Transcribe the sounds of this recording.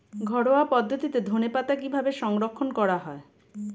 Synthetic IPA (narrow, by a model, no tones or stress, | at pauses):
ɡʱɔɽoapɔd̪ʱːot̪it̪ed̪ʱonepat̪akibʱabeʃɔŋɾokʰːonkɔɽaɦɔe